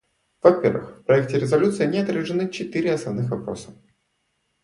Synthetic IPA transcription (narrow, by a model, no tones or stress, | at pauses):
v̥ɐpʲervɨ̰xfpɾɐɛk̚tʲɪɾʲɪzɐlʲut̪sɨɪnʲɪɐt̪ɾʲɪʐɨnɨt͡ɕɪt̪ɨɾʲɪɐsnɐvnɨxvɐpɾo̞̰sə̥